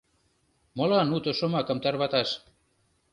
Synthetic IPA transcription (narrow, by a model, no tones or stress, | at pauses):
molɑnut̪oʃomɑkə̆mt̪ɑrβɑt̪ɑʃ